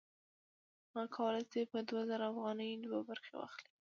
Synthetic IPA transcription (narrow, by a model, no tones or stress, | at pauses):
mɑkʰawəlajsepəd̪wazaɾaːfɣɑnəjd̪wabaɾxḛwɑ̰xli̥